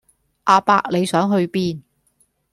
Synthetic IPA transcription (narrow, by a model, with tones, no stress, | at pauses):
ʔaː˧pa̰ː˧k̚le˨˧jsœː˨˥ŋɦɵ˧ɥpiː˥n